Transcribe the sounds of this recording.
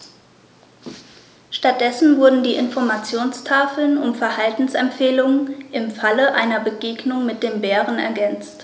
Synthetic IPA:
ʃtat̚d̥ɛsn̩vʊɐdn̩diːʔɪnfɔɐmat͡sjoːnstʰaːfl̩nʊmfɛɐhaltn̩sɛmpfeːlʊŋənʔɪmfaləʔaɪnɐbəɡeːɡnʊŋmɪt̚d̥eːmbɛːʁənɛ̰ɐɡɛnt͡st

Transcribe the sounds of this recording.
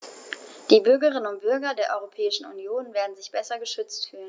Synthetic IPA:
d̥iːbʏɐɡəʁ̞ɪnənʊnt̚b̥ʏɐɡɐdeːɐʔɔʏʁopʰɛːɪʃn̩ṵnjoːnveːɐdn̩zɪçb̥ɛsɐɡəʃʏt͡stfyːlən

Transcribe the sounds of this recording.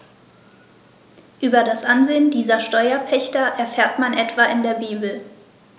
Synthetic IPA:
ʔyːbɐdasʔanzeːəndiːzɐʃtɔʏɐpʰɛçtɐʔɛɐfɛːɐtmanʔɛtv̥aʔɪndeːɐbiːbl̩

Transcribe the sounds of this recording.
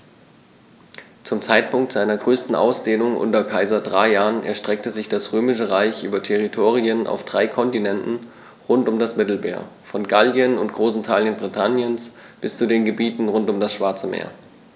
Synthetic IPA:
t͡sʊmt͡saɪt̚pʊŋk̚tz̥aɪnɐɡʁøːstn̩ʔa̰ʊsd̥eːnʊŋʔʊ̰ntɐkʰaɪzɐdʁaɪjaːʁənʔɛ̰ɐʃtʁ̥ɛk̚təzɪçd̥asʁøːmɪʃəʁaɪçʔyːbɐtʰɛʁ̞itʰoːʁ̞iənʔa̰ʊfd̥ʁaɪkʰɔntinɛntn̩ | ʁʊntʊmdasmɪtl̩mḛːɐfɔnɡaljənʊntɡ̥ʁoːsɪntʰaːljənbʁitʰanjəns | b̥ɪst͡sudeːnɡəbiːtn̩ʁʊntʊmdasʃv̥aɐt͡səmḛːɐ

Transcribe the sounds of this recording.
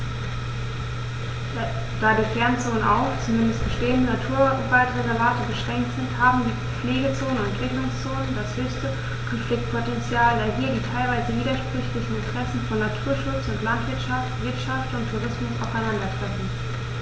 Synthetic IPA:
d̥aːdikɛɐnt͡soːnənʔaʊxt͡sumɪndəst̚b̥əʃteːəndənatʰuːɐvaɪtʁezɛɐvaːtəbəʃʁ̥ɛŋk̚tz̥ɪnthaːbm̩diː | p͡fleːɡət͡soːnənʊɛtv̥ɪklʊŋst͡soːnəndashøːstə | kʰɔnflɪk̚t̚pʰotɛnt͡sjaːlvaɪlɦiːɐdiːtʰaɪlvaɪzəviːdɐʃpʁ̥ʏçlɪçn̩ɪntəʁ̥ɛsn̩fɔnːatʰuːɐʃʊt͡sʊntlantv̥ɪɐtʃaftv̥ɪɐtʃaftʊntʰːuʁ̞ɪsmʊsa̰ʊfaɪnandɐtʁ̥ɛfn̩

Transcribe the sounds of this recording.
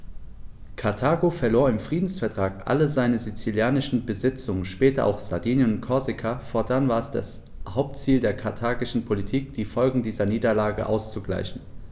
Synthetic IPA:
kʰaɐtʰaːɡofɛɐloːɐɪmfʁ̥iːdn̩sfɛɐtʁ̥aːkʔa̰ləzaɪnəzit͡siljaːnɪʃn̩bəzɪt͡sʊŋənʃpɛːtɐʔa̰ʊxz̥adiːnənʊntkʰɔɐzɪkʰafɔɐdanvaːɐɛsd̥a̰s | haʊp̚tt͡siːldeːɐkʰatʰaːɡɪʃn̩pʰolitʰiːkd̥iːfɔlɡŋ̩diːzɐniːdɐlaːɡə̰ʔa̰ʊst͡suɡla̰ɪçn̩

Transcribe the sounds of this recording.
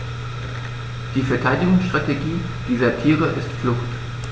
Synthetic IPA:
d̥iːfɛɐtʰaɪdɪɡʊŋsʃtʁ̥ateɡiː | d̥iːzɐtʰiːʁəʔɪstflʊxt

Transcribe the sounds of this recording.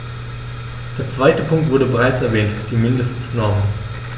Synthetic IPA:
d̥eːɐt͡sv̥aɪtəpʰʊŋktvʊɐdəbəʁaɪt͡sɛɐvɛːntd̥iːmɪndəstnɔɐmən

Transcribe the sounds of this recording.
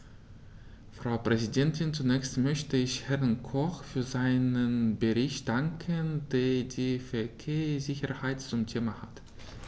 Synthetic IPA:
fʁ̥aʊpʁ̥ɛzidɛntʰɪnt͡sunɛːçstmœçtəɪçhɛʁnkʰɔχfyːɐzaɪnənbəʁɪçtd̥aŋkʰəndeːɐdiːfɛɐkʰeːɐz̥ɪçɐhaɪtt͡sʊmtʰeːmaha̰t

